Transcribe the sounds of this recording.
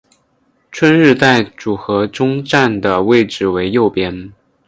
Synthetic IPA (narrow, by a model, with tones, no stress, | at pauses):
ʈ͡ʂʰwə˥nɻɻ̩˥˧t̪a˥˩ɪʈ͡ʂu˨˩xɤ˧˥ʈ͡ʂʊ˥ŋʈ͡ʂa˥˩nd̪ə˩we˥˩ɪʈ͡ʂɻ̩˨˩we˧˥ɪjo˥˩ʊpjɛ˥n